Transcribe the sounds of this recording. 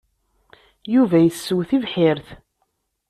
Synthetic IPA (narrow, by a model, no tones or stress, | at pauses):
juvæjəsːəwθivħɪɾθ